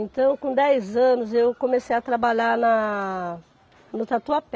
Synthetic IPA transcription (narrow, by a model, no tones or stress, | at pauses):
ẽnt̪ɐ̃w̃kõd̪ɛjzɐ̃nʊzewkõmesejɐt̪ɾabaʎaɾnɐ | nʊt̪at̪uɐp